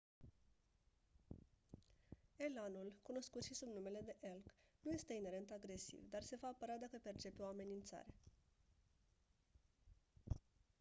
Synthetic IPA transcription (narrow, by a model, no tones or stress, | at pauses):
e̞lanulkuno̞skut̪ʃisubnume̞le̞d̪e̞ʔelknuje̞st̪e̞ine̞ɾe̞nt̪aɡɾe̞sḭvd̪arse̞vaːpəɾad̪akəpe̞rt͡ʃe̞peo̞ame̞nint̪sa̰ɾe̞